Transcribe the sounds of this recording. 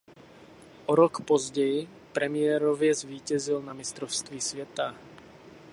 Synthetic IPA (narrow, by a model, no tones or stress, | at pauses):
ʔɔɾɔkpɔzɟɛj | pɾɛmɪjɛɾɔvɪɛzʋiːcɛzilnamist̪ɾɔfst̪ʋiːsʋɛt̪a